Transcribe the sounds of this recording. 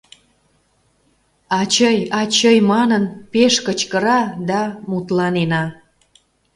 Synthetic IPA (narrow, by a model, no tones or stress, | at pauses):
ɑt͡ɕəjɑt͡ɕəjmɑnənpeʃkət͡ɕkəɾɑd̪ɑmut̪lɑnenɑ